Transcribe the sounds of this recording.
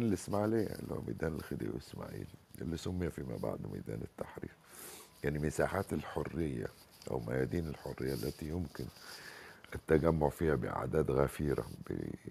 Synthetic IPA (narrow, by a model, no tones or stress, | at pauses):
nelʔɪsmaʕalea̰lːho̰wmid̪æːnelxed̪ḭːwʔesmaːʕḭːlʔḛlːisʊmːejːæfiːma̰bɑ̰ʕd̪ˤmḭd̪æ̰ːnɪt̪ːaħɾḭːfjaʕnimɪsaːħaːt̪elħorːejːæ̰ | ʔæ̰wmæjæːd̪iːnelħorːejːælːʔæt̪ijʊmkɪn | ʔæt̪ːæɡæmːoʕfiːhæbɪʔa̰ʕd̪æːd̪ɣæfiːɾa̰be